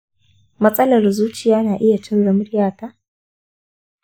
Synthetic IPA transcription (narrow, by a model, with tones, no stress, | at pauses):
mɐ˦sʼɐ˦lɐ˨rzuː˦t͡ʃɪ˨jaː˦naː˨ʔɪ˦ja˨tɪ˦nɽɐ˨mʊ˦ɾjaː˦˨taː˦